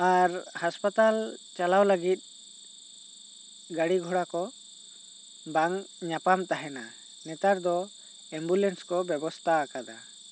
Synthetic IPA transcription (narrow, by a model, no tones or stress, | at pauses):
aɾhaspat̪alt͡ʃalawləɡit̪̚ˀ | ɡəɽiɡʱɔɽakɔ | baŋɲapamt̪aɦɛna | nɛt̪aɾd̪ɔ | ɛmbulɛnskɔbɛbɔst̪ʰaːkad̪a̰